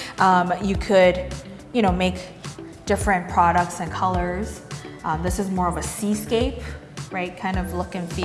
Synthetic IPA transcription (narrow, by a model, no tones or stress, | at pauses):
ʔʌ̃mjɨkʰɨd | jɨɾ̃oʊmeɪk | d̥ɪfɹɨ̃npʰɹ̥ɑɾək̚tsɨ̃nkʰʌlˠə˞z̥ʔʌ̃mðɪsɨzmɔɹʌvɨsiskeɪp̚ | ɹaɪt̚kʰãɪ̃ndʌvlʊkɨ̃nfi